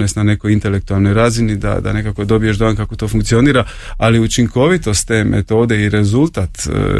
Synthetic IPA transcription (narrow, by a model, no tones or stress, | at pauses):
nesnane̞kojint̪e̞lek̚t̪ualˠno̞jɾaːzinid̪a̰d̪a̰ne̞kako̞d̪o̞bije̞ʒd̪oankakot̪o̞fuŋkt̪sio̞niːɾa | aliut͡ʃiŋko̞ʋit̪o̞st̪t̪ːe̞ːmʔḛt̪oːd̪e̞iɾezulˠt̪at̪